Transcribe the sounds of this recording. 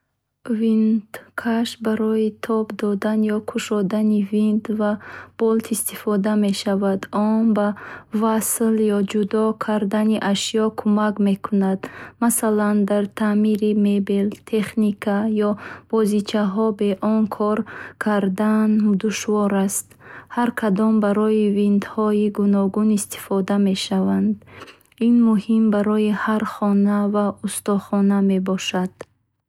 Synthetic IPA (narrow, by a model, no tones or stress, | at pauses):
vind̪kʰaʃbaɾɔit̪ʰɔbd̪ɔd̪anjɔkʰuʃɔd̪anivind̪vab̥ɔlt̪ʰist̪ifɔd̪ame̞ʃavad̪ɔnbavasljɔd͡ʒud̪ɔkʰaɾd̪aniʔaʃijɔkʰumakme̞kʰunad̪masaland̪aɾt̪ʰamiɾimebelt̪ʰe̞χnikʰajɔb̥ɔzit͡ʃʰaɦɔbe̞ʔɔnkʰɔɾkʰaɾd̪and̪uʃvɔɾast̪haɾkʰad̪ɔmbaɾɔivind̪hɔiɡunɔɡunist̪i̥fɔd̪ame̞ʃavand̪ | inmuhimbaɾɔjihaɾχɔnavaust̪ɔχɔname̞bɔʃad̪̥